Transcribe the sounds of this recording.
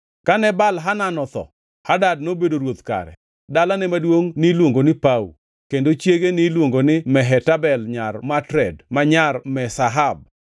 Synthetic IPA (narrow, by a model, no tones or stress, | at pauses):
kanɛbalɦananɔt̪ɔ̰ | hadad̚nobedoɾwot̪ka̰ɾɛ̰ | dalanɛmadwoŋnɪlwoŋɡonɪpaṵ | kendot͡ʃjeɡenɪlwoŋɡonɪmɛɦɛtabɛlɲarmatɾɛdmaɲarmɛsaɦab̚